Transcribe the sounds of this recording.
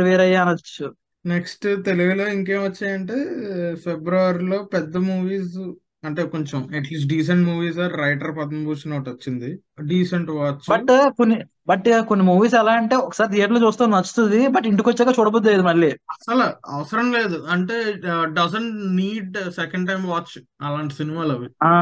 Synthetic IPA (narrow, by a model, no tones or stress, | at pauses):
ʋeːɾɐjːaːnɐt͡ʃːu | neksʈt̪eluʋɐlo̞ːiŋkeːmʋɐt͡ʃːaːjɐɳʈe̞ːfebɾɐʋɐɾilo̞ːpɛd̪ːɐmuːʋiːs | ɐɳʈeːkoɲt͡ʃɐmɐʈliːs̬ʈ̚ɖiːs̬ɐɳʈmuːʋiːsaːɾɾɐjʈɐɾpɐd̪ɐmbuːsnoːʈot͡ʃːind̪i | ɖiːsɐɳʈʋaːt͡ʃːbɐʈkonːi | bɐʈkonːimuːʋiːs̬ɛlaːɐɳʈe̞ːɔkɐ̥saːɾid̪eːʈloːt͡ʃuːst̪aːnnɐt͡ʃːu̥t̪und̪ibɐʈiɳʈikot͡ʃːɛːkaːt͡ʃuːɽɐbod̪ːileːd̪umɐɭːiːɐsɐlɐɐ̰ʋɐsɐɾɐmle̞ːd̪uɐɳʈeːɖɐzɐɳʈniːɖsɛkɐɳɖʈɐjmʋaːt͡ʃ | ɐlaːɳʈi̥sinimaːlɐʋiaː